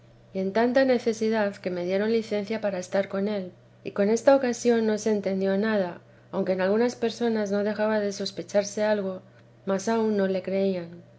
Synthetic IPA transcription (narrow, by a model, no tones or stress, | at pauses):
ie̞nt̪ant̪ane̞θe̞siðaðke̞me̞ðje̞ɾo̞nliθe̞n̟θjapaɾaest̪aɾko̞ne̞l | iko̞ne̞st̪ao̞kasjo̞nːo̞se̞ːnt̪e̞nd̪jo̞nað̞a | awŋkeːnalɣunaspe̞ɾso̞nazno̞ðe̞xaβaðe̞so̞spe̞t͡ʃaɾse̞alɣ̞o̞ | masaunːo̞le̞kɾe̞ian